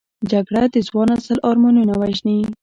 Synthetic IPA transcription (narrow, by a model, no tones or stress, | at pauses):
d͡ʒaɡɽad̪əzwɑnasəlʔɑɾmonunawaʒni